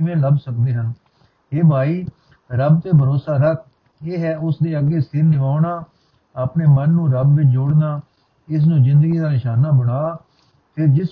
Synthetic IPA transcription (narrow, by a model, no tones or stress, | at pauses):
ɪʋẽːləbsək̚d̪eːɦən | eːbʱaːiː | ɾəb̚t̪eːbʱəɾoːsaːɾək̚ʰ | eːɦɛːʊsd̪eːəɡeːsɪɾnɪʋaːʊɳaː | əpneːmənːũːɾəbʋɪt͡ʃd͡ʒʊːɽnaː | ɪs̬nũːzɪ̃nd̪əɡiːd̪aːnɪʃaːnaːbəɽaː | pʰɪɾd͡ʒɪs